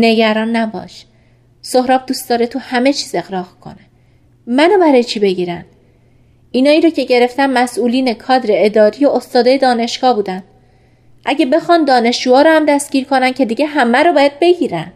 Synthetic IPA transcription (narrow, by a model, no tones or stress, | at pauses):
ne̞ɟæɾɒːnːæbɒ̰ːʃ | sohɾɒːb̚d̪uːstd̪̥ɒːɾet̪ʰuhæme̞t͡ʃʰiːze̞ɣɾɒːhkʰo̞̰ne | mænobæɾɒːjet͡ʃʰiːbe̞ɟiːɾænd̪̥ | inɒːiːɾɒːcʰe̞ɟe̞ɾe̞ft̪ænmæsuːliːne̞kʰɒːd̪ɾe̞ːd̪ɒːɾijoʔost̪ɒːd̪ɒːje̞d̪ɒːne̞ʃɡ̥ɒːhbuːd̪ænd̪ | ʔæɟebe̞xɒːnd̪ɒːne̞ʃd͡ʒuːɒːɾoːhæmd̪æst̪ɟ̥ʲiːɾkʰo̞næn̚cʰe̞d̪iɟe̞ɦæmæɾobɒːjæd̪̥̚be̞ɟiːɾæ̰nd̥̪